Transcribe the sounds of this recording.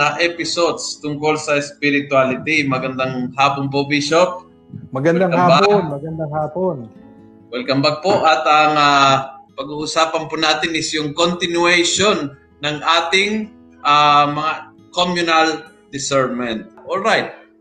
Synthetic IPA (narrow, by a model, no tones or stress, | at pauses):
aʔɛpɪsod̪st̪ʊŋko̞lsɐɪspɪɾɪt̪ʊalɪt̪imɐɡɐnd̪aŋɦaːponp̬obiʃop̚ | mɐɡɐnd̪aŋkɐaːbaoɡnmɐɡɐnd̪aŋhaːpon | wɛlkɐmbaɡ̚poʔɐt̪ɐŋapɐɡuʔʊsaːpɐnpʊnaːt̪ɪnɪsjʊŋkont̪ɪnuɛjʃonː | ɐŋʔaːt̪ɪŋ | ʔamɐŋa | komjʊnɐl | d̪̥ɪsɛɹmɛnt̪̚ʔolɹajt̪̚